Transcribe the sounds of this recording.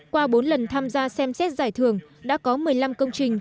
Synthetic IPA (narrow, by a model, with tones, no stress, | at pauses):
kwaː˧ɓo˨˦nlə˨˩nt̪ʰaː˧mzaː˧sɛ˧msɛ˦˥t̚zaː˧˩jt̪ʰɨ˨˧˩əŋɗa̰ː˧˥kɔ˨˦mɨ˨˩əjla˧mkə˧wŋ͡mt͡ɕï˨˩ŋ̟